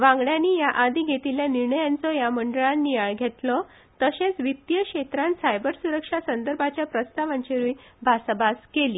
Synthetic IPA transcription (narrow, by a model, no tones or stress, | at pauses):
ʋãŋɡɭjanːiːjaʔad̪ʱiːɡʱet̪iljaniɾɳəjant͡sɔjaməɳɖəɭanːiaɭɡʱet̪lɔ | t̪əɕẽt͡sʋit̪jəɕet̪ɾãnsajbəɾsuɾəkʂasənd̪əɾbʱat͡ɕjapɾəst̪aʋãɲt͡ɕeɾujbʱasəbaskeliː